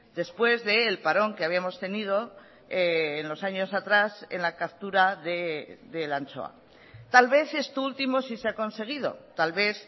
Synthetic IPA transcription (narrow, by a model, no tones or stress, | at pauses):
d̪e̞spwe̞zðe̞ːlpaɾo̞ŋke̞aβiamo̞st̪e̞nið̞o̞ | eːnlo̞saɲo̞sat̪ɾase̞̰nlakap̚t̪uɾaðeðe̞lant͡ʃo̞̰a̰ | t̪alβe̞θe̞st̪oult̪imo̞siseako̞nse̞ɣ̞ið̞o̞̰t̪alβe̞θ